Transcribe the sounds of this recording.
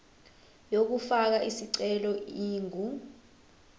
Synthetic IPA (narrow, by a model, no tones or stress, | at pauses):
jok̬ufak̬aʔisiǀɛlɔiːŋʱu